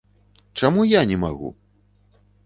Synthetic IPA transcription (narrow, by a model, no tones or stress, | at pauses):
t͡ʂamujanʲɛma̰ɣṵ